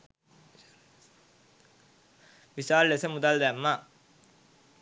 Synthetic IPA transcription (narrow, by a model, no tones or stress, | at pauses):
ʋisaːllesəmud̪ald̪æmːa